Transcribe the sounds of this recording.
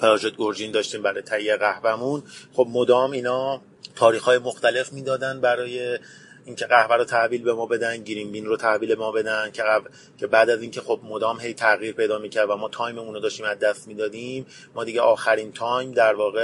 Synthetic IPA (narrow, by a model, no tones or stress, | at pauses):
pʰeɾɒʒet̪̚ɡoɾd͡ʒind̪ɒːʃt̪iːmbæɾɒːjet̪ʰæijːeɣæhvæmunχo̞bmod̪ɒːmiːnɒː | t̪ʰɒːɾiːxɒːjemoxt̪æle̞fmiːd̪ɒːd̪ænd̪bæɾɒːje̞ | iːncʰe̞ɣæhvæɾot̪ʰæʔviːlbe̞mɒːbe̞d̪ænɟiɾimbinɾot̪ʰæviːleemɒːbe̞d̪æn̚cʰeæ | cʰe̞bæːd̪æziːncʰe̞xo̞b̚mod̪ɒːmɦe̞jt̪ʰæɣiːɾpʰe̞jd̪ɒːmiːcʰæɾd̪væmɒːt̪ʰɒːjmeuːnod̪ɒːʃt̪iːmæzd̪æst̪miːd̪ɒːd̪iːmː | ɒːd̪iːɟeʔɒːxæɾiːnt̪ʰɒːjmd̪æɾvɒːɣe